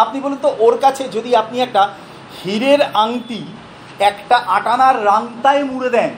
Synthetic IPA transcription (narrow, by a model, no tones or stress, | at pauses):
ap̚nibolunt̪oʔoɾkat͡ɕʰed͡ʑod̪iap̚niɛk̚ʈa | hiɾeɾaŋt̪i | ɛkʈaʔaʈanaɾːaŋt̪aemuɽed̪ɛn